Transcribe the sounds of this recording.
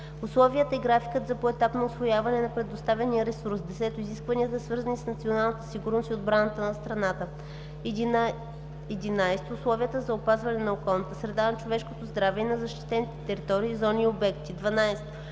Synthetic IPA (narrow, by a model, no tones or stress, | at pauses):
ʊslˠɔviət̪əɛɡɾafi̥kət̪zɐpoɛt̪apnoʊsvojavɐnɛnɐpɾɛd̪ʊst̪avʲɐnijəɾɛsuɾsd̪ɛsɛt̪oʊiziskvɐniət̪əsvɤɾzənisnɐt̪sʲionalˠnət̪ɛ̥siɡuɾnost̪ʲod̪̚bɾanət̪ənɐst̪ɾɐnat̪ə | ɛd̪inajsɛ̥t̪ːslˠɔviət̪əzɐopazvɐnɛnɐokɔlˠnət̪əsɾɛd̪anɐt͡ʃovɛʃkot̪ozd̪ɾavɛinɐzɐʃt̪i̥t̪ɛnit̪ɛt̪ɛɾit̪ɔɾiːzɔniobɛkt̪id̪vɐnajst̪